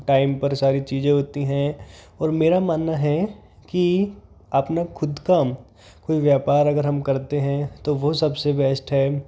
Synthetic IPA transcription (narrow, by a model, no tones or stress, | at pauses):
ʈaːɪmpɐɾsaːɾit͡ʃiːzẽɦoːt̪iɦɛ̃ | ɔːɾmeːɾamaːnːaɦɛki | ɐpnakʰʊd̪kam | koːiʋjaːpaːɾɐɡəɾɦɐmkɐɾt̪eɦɛ̃t̪oʋosɐbsebɛːsʈɦɛː